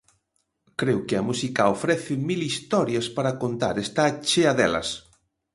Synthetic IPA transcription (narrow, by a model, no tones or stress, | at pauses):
kɾewkɪɐmusikaofɾɛθɪmilist̪ɔɾjaspaɾakont̪a̰ɾest̪at͡ʃeaðɛ̰lɐ̰s